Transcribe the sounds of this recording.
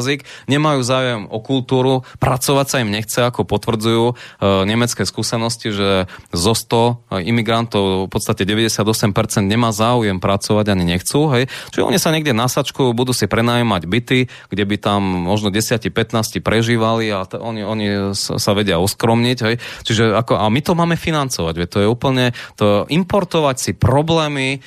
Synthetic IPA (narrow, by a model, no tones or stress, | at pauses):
zikɲɛmajuːzaːujɛmɔkult̪uːɾupɾat͡sɔʋacsaimɲɛxt͡sɛakɔpɔt̪ʋr̩d͡zujuːɲɛmɛt͡skɛskuːsɛnɔsciʒɛzɔst̪ɔimiɡɾant̪ɔʊfpɔt̪st̪acɛɟɛʋɛɟɛsɪad̪ɔsɛmpɛɾt͡sɛnd̪ɲɛmaːzaːujɛmpɾat͡sɔʋaɟaɲiɲɛxt͡suːɦɛjt͡ʃiɔ̰ɲisaɲɛɡɟɛnasat͡ʃkujubud̪uːsipɾɛnaːjɔmaɟbit̪i | ɡɟɛbit̪amːɔʒnɔɟɛsɪacipɛt̪naːscipɾɛʒiːʋaliaɔɲiɔɲisaʋɛɟɪaɔskɾɔmɲiɟɦɛjt͡ʃiʒɛakɔʔamit̪ɔmaːmɛfinant͡sɔʋaɟʋɛt̪ɔjɛuːpl̩ɲɛt̪ɔʔimpɔɾt̪ɔʋacsipɾɔblɛːmi